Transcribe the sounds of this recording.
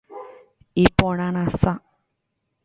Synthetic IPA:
ipõɾ̃ãɾ̃ãsa

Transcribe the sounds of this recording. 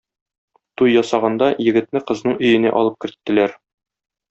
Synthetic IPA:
t̪ujːɒsɑʁɑnd̪ɑjɘ̆ɡɘ̆t̪̚mɘqɤ̆znɤɴɵ̆jɘ̆næ̰ʔɒ̰lˠɤp̚kɘ̆ɾt̪ːɘ̆læɾ

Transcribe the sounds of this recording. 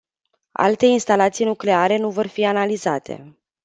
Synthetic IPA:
a̰lt̪e̞inst̪alat̪sijnukle̞aɾe̞nuvo̞rfianalizat̪ʰe̞̰

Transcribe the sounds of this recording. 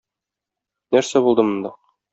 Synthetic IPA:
næɾsæbulˠd̪ɤmɤ̆nd̪ɑ

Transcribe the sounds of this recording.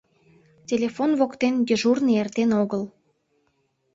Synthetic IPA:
tʲelʲefonβokt̪enjəʒurneert̪enoɣəl

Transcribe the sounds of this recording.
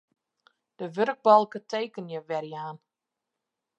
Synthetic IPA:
d̥əʋørɡ̚bɔlˠkətʰeːkənjəʋɛrjaːn

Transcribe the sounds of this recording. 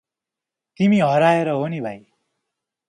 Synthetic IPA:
t̪imiɦʌɾaeɾʌɦonibʱaj

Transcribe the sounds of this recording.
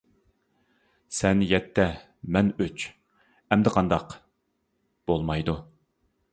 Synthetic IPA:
sɛnjɛt̪ʰːɛ | mɛnøt͡ʃ | ɛmd̪ɛqʰɑnd̪ɑq | b̥olˠmɑjd̪u

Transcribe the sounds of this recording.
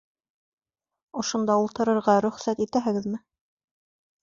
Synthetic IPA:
ŏʃŏnd̪ɑulˠt̪ɤ̆ɾɤ̆ɾʁɑɾɵ̆χsæt̪it̪æɦɘ̆ɡɘðmɘ

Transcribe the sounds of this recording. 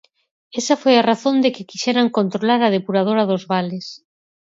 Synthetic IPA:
ɛsɐfojaraθond̪ɪkɪkiʃɛɾaŋkont̪ɾolaɾað̞epuɾað̞oɾɐðʊzβalɪs

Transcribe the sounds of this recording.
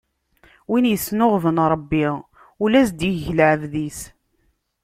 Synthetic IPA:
winjəsnʊʁvənɾˤəbːi | ulæs̬d̪iʝləʕəvðis

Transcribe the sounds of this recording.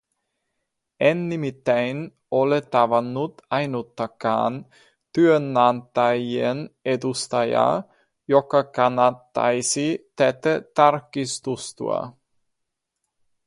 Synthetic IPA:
ɛnːimit̪ɛjn | olet̪avanːut̪ajnut̪ːaka̰n | t̪yənːant̪ajened̪ust̪aja̰ | jɔkakanat̪ːa̰jsit̪ɛt̪ət̪aɾkist̪ust̪ṵa̰

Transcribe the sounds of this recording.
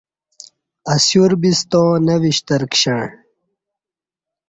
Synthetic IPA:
ɐsjuɾbist̪õnɐwiɕt̪ɐɾkɕɐɳ

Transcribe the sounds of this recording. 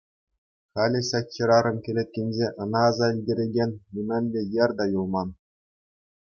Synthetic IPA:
χɑlʲeɕɑtʲt͡ɕːɤ̆ɾɑɾɤ̆mkʲĕlʲet̪̚ʲkʲenʲzʲeʔɤ̆nɑːzɑilʲdʲĕɾʲeɡʲenʲnʲimʲɘ̆nʲdʲejɘ̆rʲd̪ɑjulˠmɑn

